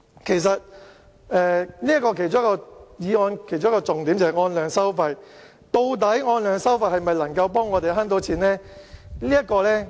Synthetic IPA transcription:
kʰe˨˩js̬ɐ˨t̚ | ɛː˨˧liː˥ɐ˥kɔː˧kʰe˨˩jt͡sʊ˥ŋ˥kːɔː˧jiː˨˧ŋɔː˧nkʰe˨˩jt͡ɕʊ˥kːɔː˧t͡sʊ˨ŋt̪i˨˥mt͡sɐ˨hɐ˨jŋɔː˧nlœː˨˧ŋsɐ˥wfɐ˧j | t̪o˧wt̪ɐ˨˥jŋɔː˧nlœː˨˧ŋsɐ˥wfaː˧˩hɐ˨jmɐ˨jlɐ˨˩ŋkɐ˧wpɔː˥ŋːɔː˨˧t̪e˨jɦaː˥nt̪o˨˥wt͡sʰiː˨˩nlɛː˥liː˥jɐ˥t̚kɔː˧lɛː˥

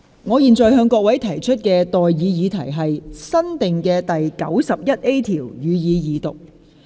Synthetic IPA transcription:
ŋɔː˨˧jiː˨˧nt͡sɔː˨˩jɦœː˧ŋkɔː˧k̚wɐ˨˥jt̪ʰɐ˨˩jt͡ʃʰɵ˥t̚kɛː˧t̪ɔː˨jːiː˨˧jiː˨˧t̪ʰɐ˨˩jɦɐ˨jsɐ˥nt̪ɪ˨ŋkɛː˧t̪ɐ˨jkɐ̰˨˥wsɐ˨p̚jɐ˥t̚ʔe˥jt̪ʰiː˨˩wjyː˨˧jiː˨˧jiː˨˧t̪ʊ˨k̚

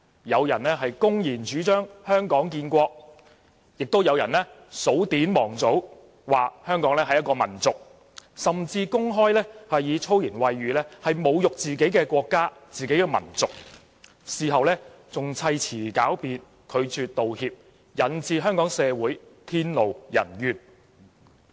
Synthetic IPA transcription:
jɐ˨˧wjɐ˨˩nlɛ˥ɦɐ˨jkʊ˥ŋjiː˨˩nt͡ʃyː˨˥t͡ʃœː˥ŋhœː˥ŋkɔː˨˥ŋkiː˧nkʷɔː˧k̚ | jɪ˨k̚t̪o˥wjɐ˨˧wjɐ̰˨˩nlɛ˥ | so˨˥wt̪iː˨˥nmɔː˨˩ŋt͡so˨˥w | waː˨k̚hœː˥ŋkɔː˨˥ŋlɛː˥ɦɐ˨jɐ˥t̚kɔː˧mɐ̰˨˩nt͡sʊ˨k̚ | sɐ˨mt͡siː˧kʊ˥ŋɦɔː˥jlɛː˥hɐ˨jjiː˨˧t͡sʰo˥wjiː˨˩nwɐ˨jːyː˨lɛː˥hɐ˨jmo˨˧wjʊ˨k̚t͡siː˨ke˨˥jkɛː˧kʷɔː˧kːaː˥t͡siː˨ke˨˥jkɛː˧mɐ̰˨˩nt͡sʊ˨k̚ | siː˨˩ɦɐ˨wlɛː˥ | t͡sʊ˨ŋt͡sʰɐ˧jt͡sʰiː˨˩kaː˨˥wpiː˨n | kʰɵ˨˧ɥt͡ʃyː˧t̚t̪o˨whiː˧p̚ | jɐ˨˥nt͡siː˧ɦœː˥ŋkɔː˨˥ŋsɛː˧wuː˨˥jt̪ʰiː˥nlo˨wjɐ̰˨˩njyː˨n

